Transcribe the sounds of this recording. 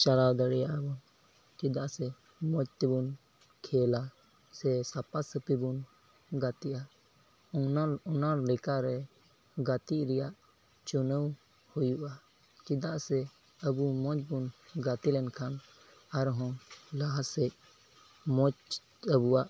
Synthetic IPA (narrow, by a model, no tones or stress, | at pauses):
t͡ʃaɾawd̪əɽɛjaʔbɔn | t͡ʃid̪aʔsɛ | mɔt͡ʃ̚t̪ɛbun | kʰɛla | sɛsapasəpibun | ɡat̪iʔa | ɔnaɾlɛkaɾɛ | ɡat̪iʔɾɛjaʔ | t͡ʃunəw | hujuʔa | kid̪aʔsɛ | əbumɔd͡ʒbunɡat̪ilɛnkʰan | aɾɦɔ̃laɦasɛc̚ | mɔt͡ʃ | əbuwaʔ